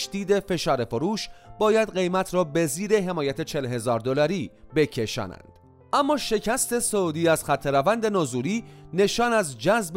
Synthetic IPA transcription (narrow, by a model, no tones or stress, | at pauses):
d̪iːd̪e̞fe̞ʃɒːɾe̞foɾuːʃbɒːjæd̪ɢe̞jmæt̪ʰɾɒːbe̞ziːɾe̞ɦe̞mɒːjæt̪ʰe̞t͡ʃʰelɦe̞zɒːɾd̪olɒɾiːbe̞cʰe̞ʃɒ̰ːnæ̰nd̪̥ | ʔæmːɒːʃe̞cʰæst̪e̞sod̪iːæz̥xæt̪ʰːe̞ɾævænd̪e̞nɒːzuːɾiːne̞ʃɒːnæzd͡ʒæzb